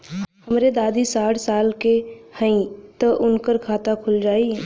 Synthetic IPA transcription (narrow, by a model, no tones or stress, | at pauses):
həmɾed̪aːd̪isaːʈʰsaːlkehə̃ĩt̪oʔʊnkəɾkʰaːt̪akʰʊld͡ʒaːiɛ